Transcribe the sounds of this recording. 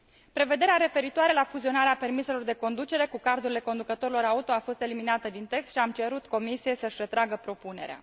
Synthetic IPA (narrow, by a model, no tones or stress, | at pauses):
pɾe̞ve̞d̪e̞ɾeaɾe̞fe̞ɾit̪oaɾelafuzio̞naɾeape̞rmise̞lo̞rd̪e̞ko̞nd̪ut͡ʃe̞ɾe̞kukard̪uɾile̞ko̞nd̪ukət̪o̞ɾilo̞ɾaut̪o̞afo̞st̪e̞liminat̪əd̪int̪e̞kst̪ʃiamt͡ʃe̞ɾut̪ko̞misije̞səʃʲre̞t̪ɾaɡəpɾo̞pune̞̰ɾea̰